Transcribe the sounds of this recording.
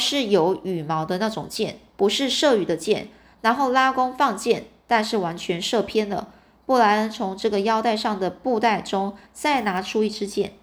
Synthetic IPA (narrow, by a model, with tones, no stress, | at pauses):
ʂɻ̩˥˩jo˧˥ʊy˨˩mɑ˧˥ʊd̪ə˧na˥˩ʈ͡ʂʊ˨˩ŋt͡ɕjɛ˥˩npu˧˥ʂɻ̩˥˧ʂɤ˥˩y˨˩d̪ə˦t͡ɕjɛ˥˩n | na˧˥nxo˥˩ʊla˥kʊ˥ŋfɑ˥˧ŋt͡ɕjɛ˥˩nt̪a˥˧nʂɻ̩˥˩wa˧˥nt͡ɕʰɥɛ˧˥nʂɤ˥˩pʰjɛ˥nd̪ə̰˨ | pɔ˥˩la˧˥ɪ˧t͡sʰʊ˧˥ŋʈ͡ʂɤ˥˩ɡə˩jɑ˥ʊt̪a˥˧ɪʂɑ˥˩ŋd̪ə˩pu˥˧t̪a˥˩ɪʈ͡ʂʊ˥ŋ | t͡sa˥˩ɪna˧˥ʈ͡ʂʰu˥i˥˩ʈ͡ʂʰɻ̩˥t͡ɕjɛ̰˥˩n